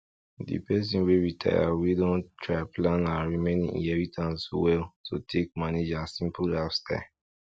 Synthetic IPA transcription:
dḭpɛs̬ĩnweɹitʰa̰ɪja̰widɔ̃ntɹaɪplãnaɹimẽnḭ̃ḭ̃ɛvitʰãnswɛltʰo̰tʰek̚maned͡ʒasĩmpulafsta̰ɪ

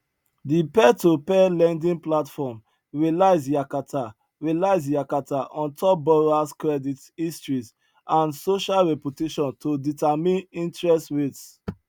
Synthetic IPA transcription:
dipɛtopɛlɛ̃ndĩnplatfɔm | ɹɛlaɪsjakatʰa | ɹilaɪzjakataʔɔ̃ntɔp̚bɔɹaskɹɛdit | istɹiz | ʔãnsoʃalɹɛputeʃɔ̃ntʰoditamĩnĩntɹɛstɹets

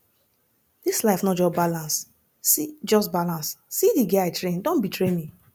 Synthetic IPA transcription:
d̥islaɪfnɔd͡ʒɔsbalãns | sid͡ʒɔsbalãnsːidiɡɛaɪtɹẽndõnbitʰɹemi

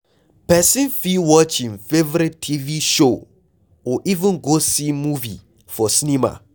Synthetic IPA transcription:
pɛsĩnfiwɔt͡ʃĩnfevɔɾitʰːiviʃo | ɔʔivũnɡosimuvḭ | fɔsnĩma̰

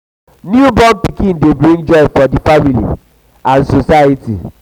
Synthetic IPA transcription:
njubɔmpikĩndebɾĩŋɡd͡ʒɔbfɔdifamilḭ | ãnsosajitḭ

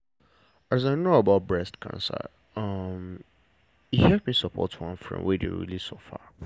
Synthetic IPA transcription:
azaɪnoəbaʊt̚bɹɛstkʰã̰nsə̰ | ʌm | ihɛvmisəpʰɔ̰twʌ̰̃nfɹɔ̰̃nwedḛwɹḭli̥sofa̰

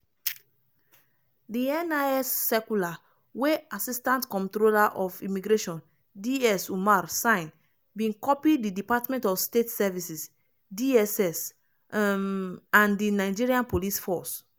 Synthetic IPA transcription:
diɛ̃naɛsːɛkula | weasistãntkɔ̃ntɾolaʔɔfimiɡɾeʃɔ̃n | diɛsumaɾsãɪ̃n | bĩnkɔpididipatmɛ̃ntɔfstetsɛvisis | diɛsɛs | ãndinaɪd͡ʒiɹiãnpolisfɔs

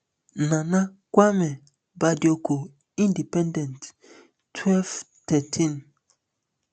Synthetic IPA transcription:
nãnã | kʷwamɛ̃ | badiokʰo | ĩndipɛ̃ndɛ̃nt | tʰːwɛlv | tʰɛtʰĩn

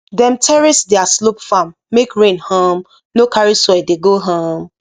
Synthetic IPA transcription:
dɛ̃mtʰɛɹisdɛaslopfamːekɹẽnhãm | nokʰaɹisɔjdeɡoɦãm

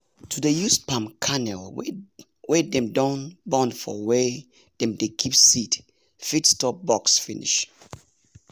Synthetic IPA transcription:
tʰudəjuspãmkʰanɛl | wɛdɛ̃mdɔ̃nbɔ̃nfɔ̰wɛ | d̥ɛ̃mdekʰipsit | fitstɔp̚bɔksfinḭʃ

